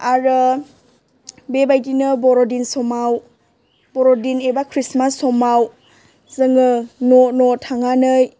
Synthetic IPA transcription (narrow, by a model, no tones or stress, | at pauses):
aɾɯ | bebajdinɯbɔɾodinsɔmaw | bɔɾodinebakʰɾismasːɔmaw | zɯŋɯnonɔtʰaŋanɯj